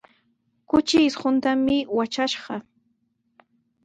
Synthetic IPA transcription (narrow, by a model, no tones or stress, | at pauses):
kʊt͡ʃɪsɢʊnt̪amɪwat͡ʃaʃɢɑ